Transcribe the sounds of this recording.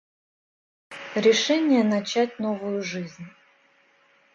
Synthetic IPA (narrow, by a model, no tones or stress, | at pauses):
ɾʲɪʂɛnʲɪjənɐt͡ɕætʲnovʊjʊʐɨzʲnʲ